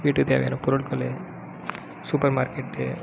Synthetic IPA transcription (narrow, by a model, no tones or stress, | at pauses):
ʋiːʈːɯt̪ḛːʋɐ̰ja̰nɐpɔɾʊɭkɔle | suːpɐɾmaːɾkeʈː